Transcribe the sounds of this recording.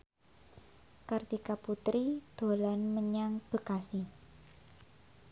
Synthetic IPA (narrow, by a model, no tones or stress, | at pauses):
kard̪ikaput̪ɾid̪̥o̤lanməɲaŋb̥ə̤kasi